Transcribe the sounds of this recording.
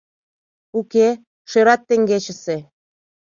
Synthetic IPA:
uke | ʃøɾɑt̪ːĕŋɡet͡ɕə̆se

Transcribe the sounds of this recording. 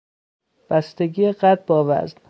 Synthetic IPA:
b̥æst̪eɡiːeɢæd̪̚bɒːvæ̰zn

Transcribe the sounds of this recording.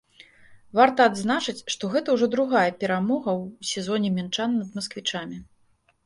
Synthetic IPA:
vart̪ɐːd̪znat͡ʂɨt͡sʲʂt̪ɔɣɛt̪ɐwʐɔd̪ɾuɣajɛpʲɛɾamɔɣɐwsʲɛzɔnʲɛmʲɛnt͡ʂanːɐd̪mɐskvʲit͡ʂamʲi

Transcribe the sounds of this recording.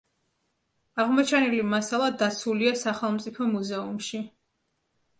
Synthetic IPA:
aʁmɔt͡ʃʰanɛlimasalˠad̪at̪sʰuliasaχɛlˠmt̪sʼipʰɔmuzɛumʃi

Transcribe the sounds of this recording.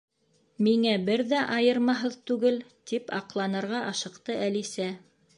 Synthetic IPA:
miŋæbɘɾðæʔɑjɤɾmɑɦɤðt̪ʉɡɘlt̪ipɑ̰qlˠɑnɤ̆ɾʁɑʔɑʃɤ̆qt̪ɤʔælisæ

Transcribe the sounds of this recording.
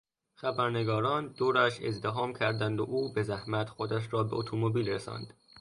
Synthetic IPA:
xæbæɾne̞ɡɒːɾɒːnd̪̥oːɾæʃe̞̰zd̪eɦɒːmcʰæɾd̪ænd̪o̰ʔuːbe̞zæhmæt̪xod̪æʃ̬ɾɒːbe̞ʔot̪ʰomobiːlɾesɒ̰ːnd̪̥

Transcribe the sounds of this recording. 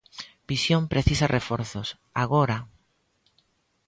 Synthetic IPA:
b̥isjõmpɾeθisarʔefoɾθos | aɣoɾa

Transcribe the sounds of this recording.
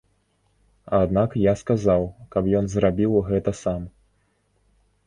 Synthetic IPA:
ad̪nakjaskazawkɐpjɔnzrabʲiwɣɛt̪ɐsam

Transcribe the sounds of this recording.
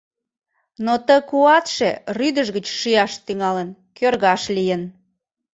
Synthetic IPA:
not̪əkuɑt̪ʃeryd̪əʒɣət͡ɕʃijɑʃt̪yŋɑlənkørɣɑʃlijən

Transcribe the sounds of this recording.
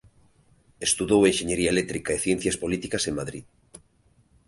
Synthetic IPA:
est̪uðoweŋʃeɲeɾiaelek̚t̪ɾikaeθjen̟θjaspolit̪ikaseŋmaðɾið

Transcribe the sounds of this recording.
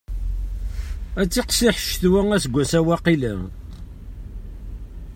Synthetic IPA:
æt͡sːiqsiħə̥ʃθwæŋæsɡʷːæsæwæqilæ

